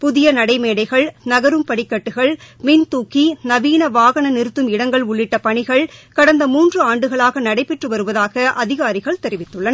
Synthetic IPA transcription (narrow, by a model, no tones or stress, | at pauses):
pʊðɪjɐnɐɽɐɪmeːɽɐɪɣɐɭnɐɣɐɾɯmpɐɽɪkːɐʈːɯɣɐɭmint̪uːkinɐʋiːnɐʋaːɣɐɳɐnɪɾɯt̪ːɯmɪɽɐŋɡɐɭʊɭːɪʈːɐpɐɳɪɣɐɭkɐɽɐnd̪ɐmuːndrɯaːɳɖɯɣɐɭaːɣɐnɐɽɐɪpːɛʈrɯʋɐɾɯʋɐðaːɣɐʔɐðɪɣaːɾɪɣɐɭt̪ɛɾɪʋɪt̪ːɯɭːɐnɐ